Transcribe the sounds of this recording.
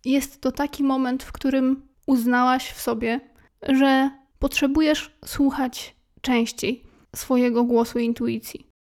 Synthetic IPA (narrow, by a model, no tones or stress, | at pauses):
jɛst̪ːɔt̪akʲimɔmɛnt̪fkt̪uɾɘm | uznawaɕfsɔbʲjɛ | ʐɛ | pɔtʂɛbujɛʂswuxat͡ɕ | t͡ʂɛ̃w̃ɕt͡ɕej | sfɔjɛɡɔɡwɔsuiint̪ujit̪sʲjḭ